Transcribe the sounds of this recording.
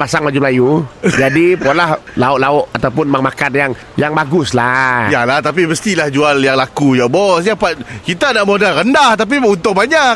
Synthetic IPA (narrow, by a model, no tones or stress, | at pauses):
pasaŋmad͡ʒʊmlajud͡ʒadipolahlaʊʔlaʊʔat̪awpʊnmaŋmakanjaŋ | jaŋbaɡʊslajalaht̪ap̬iməst̪ilahd͡ʒualjaŋlakujabɔsjapat̪̚kit̪anaʔmodalɾəndaht̪ap̬iunt̪ʊʔ̚baɲak